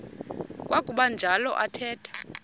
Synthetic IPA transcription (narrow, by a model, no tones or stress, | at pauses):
kʼwʔakʼuɓand͡ʒʱalɔ̰ʔatʰɛːtʰḁ